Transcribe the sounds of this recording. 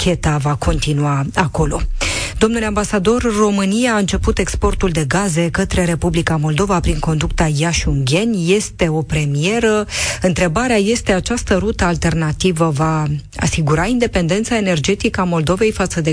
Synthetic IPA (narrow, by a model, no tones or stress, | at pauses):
kʲe̞t̪avakʰo̞nt̪inuaako̞lo̞d̪o̞mnule̞ambasad̪o̞rːo̞mɨnijaːɨnt͡ʃe̞put̪e̞kspo̞rt̪uld̪e̞ɡaze̞kət̪ɾe̞ɾe̞publikamo̞ld̪o̞vapɾiŋko̞nd̪ukt̪ajaʃuŋɡʲe̞nʲje̞st̪e̞o̞pɾe̞mije̞ɾəɨnt̪ɾe̞baɾeaje̞st̪e̞at͡ʃast̪əɾut̪əalt̪e̞rnat̪ivəva | a̰siɡuɾaind̪e̞pe̞nd̪e̞nt̪sae̞ne̞rd͡ʒe̞t̪ikəamo̞ld̪o̞ve̞jfat̪səd̪e